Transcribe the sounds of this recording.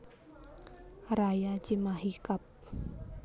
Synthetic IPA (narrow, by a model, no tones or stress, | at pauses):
rajat͡ʃimaɦikap̚